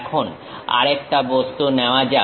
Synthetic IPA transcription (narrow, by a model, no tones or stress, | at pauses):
kʰon | a̰ɾek̚ʈabost̪uneoad͡ʑa